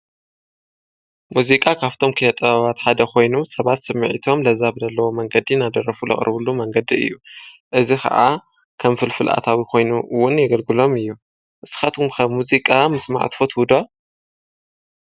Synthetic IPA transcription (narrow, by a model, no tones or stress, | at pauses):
muzikʼakʰaβt̪ʰo̞mkʰɨlɐt̪ʼɐβaβat̪ħad̪ɐkʰo̞jnusɐβat̪sɨmːɨʕit̪ʰo̞mlɐzaβdɐlːɐwomɐŋɡɐd̪inad̪ɐɾɐfulɐ̰χʼɾɨβulumɐŋɡɐd̪iɨ̰jːuʔɨzixɐ̰ʔa̰ | kʰɐmfɨlfɨlʔa̰t̪ʰawikʰo̞jnuwʊnjɛɡɐlɡɨlo̞mɨjːu | ʔɨsɨ̥xat̪ʰumxɐmːuzikʼamɨsma̰ʕ̰t̪fot̪hud̪o